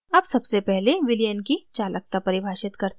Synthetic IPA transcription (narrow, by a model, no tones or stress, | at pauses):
ɐbsɐbsepɛɦleʋɪljənkit͡ʃaːlək̚t̪apɐɾɪbʱaːʃɪt̪kɐɾt̪